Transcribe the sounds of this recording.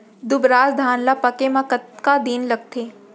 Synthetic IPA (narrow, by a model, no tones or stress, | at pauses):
d̪ʊbɾaːzd̪ʱaːnlapɐkemãkɐt̪kad̪iːnlɐɡ̚t̪ʰeː